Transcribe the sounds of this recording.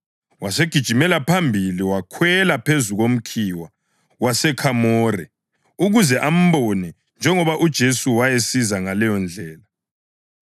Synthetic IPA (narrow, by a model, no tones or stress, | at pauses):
waseɡ̥ʱid̥ʒ̥ʱimɛlapʰambʱiliwakʰwɛlapʰezuɣom̩kʰiːwa | wasɛkʰamɔːrɛ | uɣuzɛʔam̩βonɛ | nd͡ʒʱɛŋɔβaʔud̥ʒ̥ʱesuwajesizaŋalɛjɔnd͡ɮʱɛːla